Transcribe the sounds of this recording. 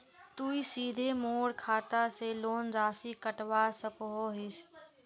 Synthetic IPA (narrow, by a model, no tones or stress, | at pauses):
t̪uːisiːd̪ʱemoːɽkʰaːt̪aseloːnzaːsikəʈʋaːsəkoɦoɦɪs